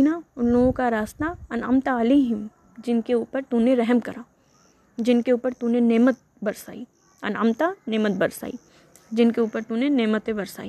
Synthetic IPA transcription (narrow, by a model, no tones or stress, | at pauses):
naʊnloːɡõkaɾaːsnaɐnə̰mt̪aɐliːɦɪm | d͡ʒɪnkeuːpəɾt̪uːneɾɛɦmkɐɾaː | d͡ʒɪnkeuːpəɾt̪ũneneːmət̪̚ | bɐɾsa̰ːiː | ɐ̰nəmt̪aneːmət̪̚bɐɾsa̰ːḭ | d͡ʒɪnkeuːpəɾt̪uneneːmət̪ẽbɐɾsa̰ːiː